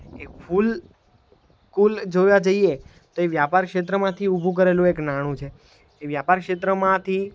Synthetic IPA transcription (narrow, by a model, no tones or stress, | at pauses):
efʰul | kuld͡ʒojad͡ʒəie | t̪oeʋjapaɾkʃet̪̬ɾəmãt̪ʰiubʱũk̬əɾelũeknaɽ̃ũt͡ʃʰeː | ʋjapaɾkʃet̪ɾəmãt̪ʰi